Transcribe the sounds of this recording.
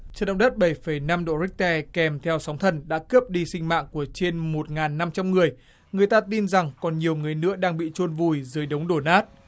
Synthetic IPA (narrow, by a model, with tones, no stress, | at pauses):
t͡ɕəː˨˩nɗə̰˧˨wɗə˦˥t̚ɓə˧˩jfə˧˩jna˧mɗo̰˧˨ɾi˦˥k̚t̪ɛ˧˩kɛ˨˩mt̪ʰɛ˧wsa˨˦wŋ͡mt̪ʰə˨˩nɗa̰ː˧˥kə˦˥əp̚ɗi˧sï˧ŋ̟ma̰ː˧˨ŋku˧˩ət͡ɕe˧nmo˨˩t̚ŋaː˨˩nːa˧mt͡ɕa˧mŋɨ˨˩əj | ŋ˨˩əjt̪aː˧t̪i˧nza˨˩ŋkɔ˨˩nɲi˨˩əwŋɨ˨˩əjnɨ̰˧˥əɗaː˧ŋɓḭ˧˨t͡ɕo˧nvu˨˩jzɨː˨˦jɗə˨˦wŋ͡mɗo˧˩naː˦˥t̚